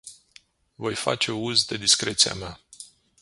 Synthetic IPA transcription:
vo̞jfa̰t͡ʃe̞uzd̪e̞d̪iskɾe̞t̪sia̰mea

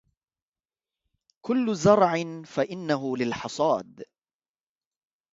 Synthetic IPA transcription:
kʊlːʊzɑɾˤʕɪnfaʔɪnːaɦʊlɪlħɑsˤɑːd̪

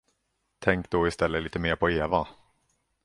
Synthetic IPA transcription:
t̪ʰɛŋkd̪ɔːɪst̪ɛlːəliːt̪əmeːɾpʰɔeːva

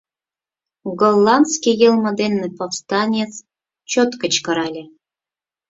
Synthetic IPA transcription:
ɡolˠːɑnd̪skʲijɤlˠmə̆d̪enːɨpofst̪ɑnʲet͡s | t͡ɕot̪kə̆t͡ɕkɤ̆ɾɑlʲe

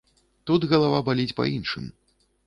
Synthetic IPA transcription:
t̪ud̪ɣɐlˠavabalʲit͡sʲpɐ̰inʂɨ̰m

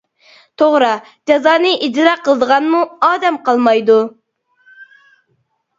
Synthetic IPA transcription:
t̪ʰoʁɾɑ | d͡ʒɑzɑːnɨʔid͡ʒɾɑqʰəlˠəd̪əʁɑnmuɑːd̪ɛmqʰɑlˠmɑjd̪u

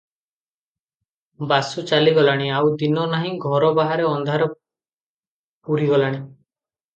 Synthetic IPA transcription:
basut͡ʃaliɡɔlaɽ̃iawd̪inɔnaɦĩɡʱɔɾɔbaɦaɾeɔnd̪ʱaɾɔ | puɾiɡɔlaɽ̃i

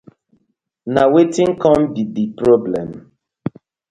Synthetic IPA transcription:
nawetĩŋkɔ̃mbidipɾɔblɛ̰̃m

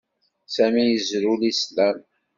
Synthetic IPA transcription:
sæmijəzɾulislæm

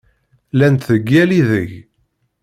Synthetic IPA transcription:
lænt̪θəɡːæliðə̰ʝ

